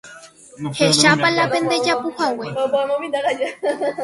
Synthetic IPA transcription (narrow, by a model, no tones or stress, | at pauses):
he̞ʃapalape̞nd̪e̞d͡ʒapuhawepomõmĩnd̪aɾad͡ʒa